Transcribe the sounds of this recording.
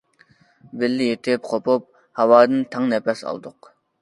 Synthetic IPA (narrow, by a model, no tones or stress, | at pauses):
bɪlːɪjet̪ʰɪp̚qʰopop̚ | hɑwɑːd̪ɨnt̪ʰɑŋnɛpʰɛsɑ̰lˠd̪ʊq